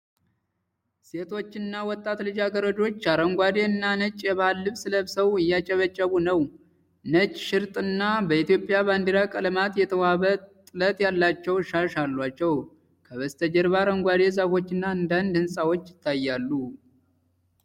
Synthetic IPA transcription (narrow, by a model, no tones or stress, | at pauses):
se̞t̪ʰo̞t͡ʃːɪnːawɔt̪ʼːat̪lɨd͡ʒaɡəɾəd͡ʒo̞t͡ʃːaɾəŋɡʷad̪e̞ɨnːanət͡ʃʼjɛβalːɨβsɨləbsəwɨjːat͡ʃʼɛβət͡ʃʼːəβunəw | nət͡ʃʼʃɪɾt̪ʼɨnːabəit̪jo̞pʼːjaβand̪iɾakʼələmat̪jɛt̪ʰəwaβət̪ʼɨlət̪jalːat͡ʃːɛwʃaʃalːat͡ʃːɛw | kʰəβəst̪ʰəd͡ʒɛɾβaɾəŋɡʷad̪e̞zafo̞t͡ʃːɨnːaɨnd̪and̪hɨnsʼawot͡ʃːjɪt̪ʰːajːalːu